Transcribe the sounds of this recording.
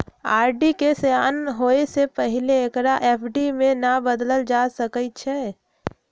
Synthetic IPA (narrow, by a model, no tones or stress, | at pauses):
aːɾɖikesejaːnɦoesepəɦileːkɾaʔepʰɖimẽnabəd̪ləld͡ʒasəkət͡ʃʰɛ